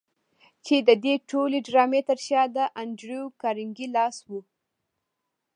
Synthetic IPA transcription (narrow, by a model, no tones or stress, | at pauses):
t͡ʃed̪əd̪eʈoleɖɾɑmet̪əɾʃɑd̪əʔand͡ʒɾjokɑɾɪŋɡilɑswu